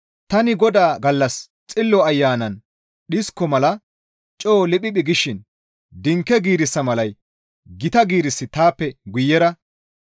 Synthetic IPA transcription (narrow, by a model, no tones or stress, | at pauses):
t̪ɐnɪɡɔd̪aːɡɐlːɐs | t͡sʼɪlːɔɐjːaːnɐn | ɗɪskːɔmɐlɐ | t͡ʃʼoːlɪɓʼɪɓɪɡɪʃɪn | d̪ɪŋkːɛɡiːɾɪsːɐmɐlɐj | ɡɪt̪ɐɡiːɾɪsːɪt̪aːpːɛɡʊjːɛɾɐ